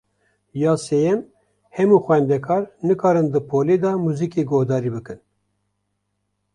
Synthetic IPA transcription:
jɑːsejɛm | hɛmuːxʷwʷɛnd̪ɛkʰɑːɾnɨkʰɑːɾɨnd̪ɨpʰoːleːd̪ɑmuzikeːɡohd̪ɑːɾiːbɨkɨn

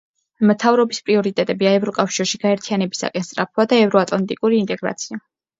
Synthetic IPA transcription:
mt̪ʰavɾɔbispʼɾiɔɾit̪ʼɛt̪ʼɛbiaɛvɾɔkʼafʃiɾʃiɡ̥aɛɾt̪ʰianɛbisa̰kʼɛnst̪ʼɾa̰pʰad̪aɛvɾɔat̪ʼlˠant̪ʼikʼuɾiːnt̪ʼɛɡɾa̰t̪sʰia

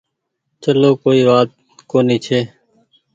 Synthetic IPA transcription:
t͡ʃəloːkoːiːʋaːt̪̚ | koːniːt͡ʃʰeː

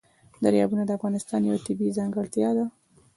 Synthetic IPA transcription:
d̪aɾjɑ̰bunad̪əafɣɑnɪst̪ɑnjawat̪ɪbizɑŋɡəɽt̪jɑd̪a

